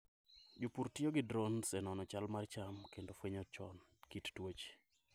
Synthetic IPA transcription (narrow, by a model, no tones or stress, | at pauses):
d͡ʒopuɾtjoɡɪdɾonsɛnɔnɔt͡ʃalmart͡ʃamkendofweɲɔt͡ʃɔ̰nkittwot͡ʃ